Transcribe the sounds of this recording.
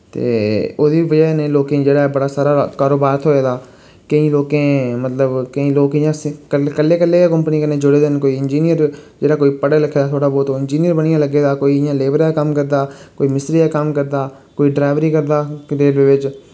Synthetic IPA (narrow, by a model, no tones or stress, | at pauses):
t̪ḛːoːd̪iːʋəd͡ʒənẽːloːkẽːd͡ʒeːɽaːbəɽaːsaːɾaːkaːɾoːbaːɾt̪ʰoːeːd̪aː | kəĩːloːkẽːmət̪ləbkəĩːloːkɪjãːskəkəlːeːkəlːeːekəmpniːkəneːd͡ʒʊɽeːd̪enkoːiːɪnd͡ʒiːnɪjəɾd͡ʒeːɽaːkoːiːpəɽləkʰːeːd̪aːt̪ʰoːɽaːbɔːt̪oɪnd͡ʒiːnɪjəɾbəɽ̃ijãːləɡːeːd̪aːkoːiːɪjãːleːbəɾaːkəmkəɾd̪aːkoːiːmɪsʈɾiːaːkəmkəɾd̪aː | koːiːɖɾaːʋɾiːkəɾd̪aːd̪eːlʋeːʋɪt͡ʃ